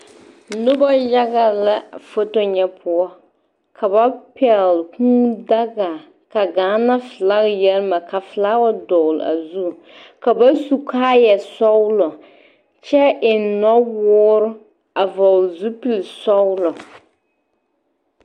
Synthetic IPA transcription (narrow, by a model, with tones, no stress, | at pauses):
nʊ˦ba˦ja˦ɡa˨la˦fo˦to˦ɲɛ˦pʰʊ˦ɔ˦ | kʰa˨ba˦pɛ˨lkuː˦da˦ɡa˨ | ka˨ɡaː˨˦na˦fɨ˨la˦ɣjɛ˦lma˨ka˨fɨ˨la˦wa˦dɔ˨l̰a̰˨zu˦˨ | ka˨ba˦su˦kaː˦jɛ˨sɔ˦wlɔ˨ | t͡ʃɛ˦ʔɪ˨nɔ˦wʊː˦ɾ | a˨vɔ˨zu˦pi˨lsɔ˦wlɔ˨